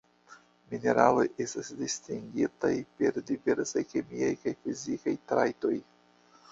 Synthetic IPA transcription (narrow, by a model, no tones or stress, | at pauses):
mine̞ɾalo̞je̞stasdistiŋɡitajpe̞ɾdive̞ɾsajke̞miajkajfizikajtɾajto̞j